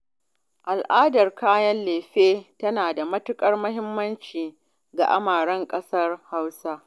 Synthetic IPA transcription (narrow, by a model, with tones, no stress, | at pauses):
ʔa˨lʔaː˦dɐ˨rkaː˦jɐ˦nleː˨ɸeː˦tɐ˦naː˨da˨mɐ˦tʊ˦kʼɐ˦rmɐ˦ɦɪ˦mːɐ˦nt͡ʃiː˨ | ɡa˨ʔa̰˦maː˨ɽɐ˦ŋkʼɐ˦sɐ˦rha˦wsa˦